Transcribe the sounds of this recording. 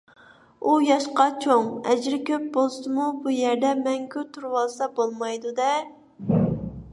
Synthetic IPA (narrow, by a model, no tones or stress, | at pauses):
ujɑʃqɑt͡ʃʰoŋɛd͡ʒɾɪkʲʰøp̚bolˠsɨmubujɛɾd̪ɛmɛŋkʲʰyt̪ʰuɾwɑlˠsɑbolˠmɑjd̪ud̪ɛ